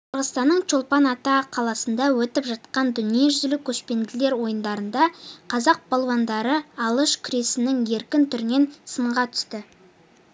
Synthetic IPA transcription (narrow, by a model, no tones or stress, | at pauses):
qʰəɾʁəst̪ɑnːəɴt͡ʃo̞lˠpɑnɑt̪ɑqʰɑlˠɑsənd̪ɑwɵt̪ɪpʒɑt̪̚qɑnd̪ʏnije̞ʒʏzlɪkʲʰːɵʃpe̞nd̪ɪle̞ɾwo̞jənd̪ɑɾənd̪ɑqʰɑzɑq̚bɑlˠwɑnd̪ɑɾəɑlˠəʃkʲʰʏɾe̞sɪnɪŋe̞ɾkʲɪnt̪ʰʏɾme̞nsəɴʁɑt̪ʰʏ̥st̪ɪ